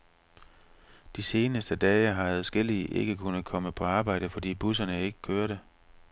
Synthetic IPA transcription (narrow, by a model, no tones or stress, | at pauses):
d̥ise̝ːnəsd̥əd̥ɛːəɦɑ̈ʋæːð̩ˠsɡ̥el̰iʔe̝ɡ̥əkʰunð̩ˠkʰɒ̽məpʰɒ̽ɑ̈ːb̥ɑ̈ɪ̰ɾ̥əfɒ̽d̥ḭːb̥usɐnəe̝ɡ̥ə̥kʰøːɐɾe